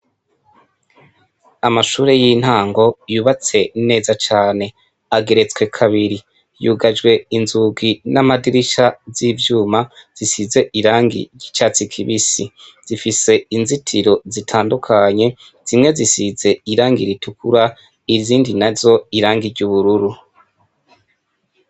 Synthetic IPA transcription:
amaʃuːɾe̞jiːn̥haːŋɡo̞juːβat͡se̞ne̞ːzat͡ʃaːne̞ | aɡe̞ɾe̞t͡swe̞kʰaβiɾi | juːɡad͡ʒɡwe̞inzuɡinamadiɾiʃazivjuːmaz̥isize̞ʔiɾaːŋɡḭɟit͡ʃat͡sikʰiβisiz̥ifise̞inzitʰiɾo̞zitʰaːndukʰaɲe̞ | z̥imŋe̞zisize̞iɾaːŋɡiɾitukuɾa | iziːndinazo̞iɾaːŋɡiɾɟuβuɾuɾu

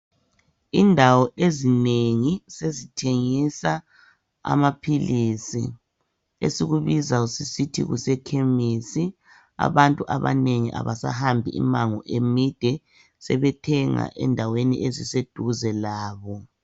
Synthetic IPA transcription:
indʱawɔʔezineŋisezitʰeŋisa | a̰mapʰilisḭ | ḛsiɣuβizausisitʰḭɣṵsɛkʰemiːsi | a̰βantʼuʔaβa̰neŋiʔa̰βasa̰hambʱiḭmaŋɔʔemid̥ʱɛ | sɛβɛtʰɛŋa̰ʔɛ̰ndʱawenḭʔezised̥ʱuzɛlaːβɔ

